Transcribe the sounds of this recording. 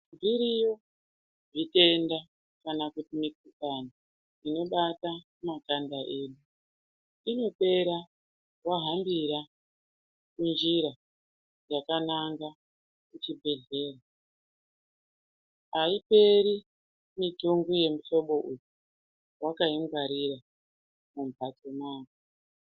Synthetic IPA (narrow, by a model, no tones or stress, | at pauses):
biɾijo | ʐite̞nda | kanakutimikukana | ino̞ɓata | makandaʔe̞ɗu | ino̞pe̞ɾa | waɦambiɾa | kund͡ʒiɾa | d͡ʒakanaŋɡa | kut͡ʃibʱe̞ɮe̞ːra | aipe̞ɾi | mitoŋɡuje̞mito̞ɓo̞ʔuju | wakaiŋɡaɾiɾa | mumpato̞maːko